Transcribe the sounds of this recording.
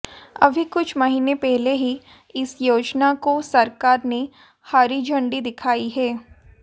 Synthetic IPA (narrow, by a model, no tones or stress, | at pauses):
ɐ̰bʱikʊt͡ʃʰmɐɦiːnepɛɦleɦi | ɪsjoːd͡ʒnakosɐɾkaːɾne | haːɾid͡ʒʱɐ̃ɳɖid̪ɪkʰaːiɦɛː